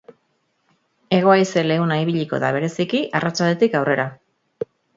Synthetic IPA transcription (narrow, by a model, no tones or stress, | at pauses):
e̞ɣ̞o̞ajse̞le̞ɣunaiβ̞iʎiko̞̰ða̰β̞e̞ɾe̞sikiʔarat͡ʃald̪e̞t̪ikawrʔe̞ɾa